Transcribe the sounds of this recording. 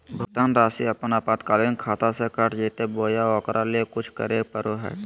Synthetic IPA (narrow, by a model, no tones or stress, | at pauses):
bʱʊɡt̪aːnɾaːsiɐpnaːpaːt̪kaːlinkʰaːt̪asekəʈd͡ʒiːt̪eboːjaɔːkɾʔaliekʊt͡ʃʰkə̰ɾeːpəɾoɦɛ̰ː